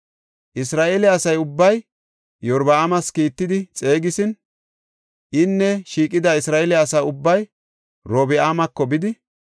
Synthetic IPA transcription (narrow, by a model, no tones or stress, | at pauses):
ʔɪsɾaːʔelɛɐsɐjʊbːɐj | jɔɾbɐaːmɐskiːt̪ːɪd̪ɪt͡sʼe̞ːɡɪsɪn | ʔɪnːɛʃiːkʼɪd̪ɐɪsɾaːɛlɛɐsɐʊbːɐj | ɾoːbɪaːmɐkːɔbɪd̪ɪ